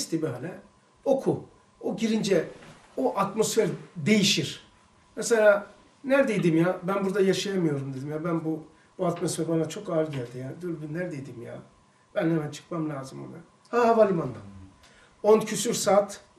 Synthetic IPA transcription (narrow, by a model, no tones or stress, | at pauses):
st̪ʰibiɦalʲɛ | okʰu | oɟiɾind͡ʒɛ | oʔat̪mo̞sfeɾd̪e̞jiʃiɾ̥ | mɛselʲaː | næɾd̪ejd̪imjaːbænbuɾd̪ajaʃajamɯjo̞ɾumd̪e̞d̪imjaːbænbu | buat̪mo̞sfɛɾbanat͡ʃʰo̞kaːlʲɟælʲd̪ijaːnd̪ølbinnæɾd̪ejd̪imja̰ | b̥ænhɛmænt͡ʃʰɯ̥kmamlʲaːzɯmo̰nɯ | hahavalʲˠɯmand̪a | oncʰysyɾsaːt̪